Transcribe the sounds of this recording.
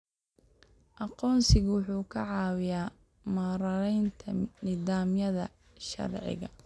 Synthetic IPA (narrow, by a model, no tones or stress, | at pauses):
ʔɑqɔːnsɪɣwʊħuːkʰɐʕɑːwɪjaː | mɐɾɐɾɛjnt̪ʰɐnɪðaːmjɐðɐ̰ | ʃɐ̰rʕɪ̰ɣɐ